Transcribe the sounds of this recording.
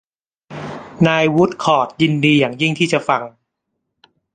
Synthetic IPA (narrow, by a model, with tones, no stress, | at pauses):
naː˧jwu˦˥t̪̚kʰɔː˨˩t̪̚ji˧ndiː˧jaː˨˩ŋji˥˩ŋt̪ʰiː˥˩t͡ɕa˨˩fa˧ŋ